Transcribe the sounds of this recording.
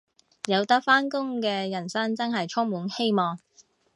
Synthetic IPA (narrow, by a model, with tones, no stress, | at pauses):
jɐ˨˧wt̪ɐ˥k̚faː˥nkʊ˥ŋkɛː˧jɐ˨˩nsɐ˥ŋt͡sɐ˥nɦɐ˨jt͡ʃʰʊ˥ŋmuː˨˥nhe˥jmɔː˨ŋ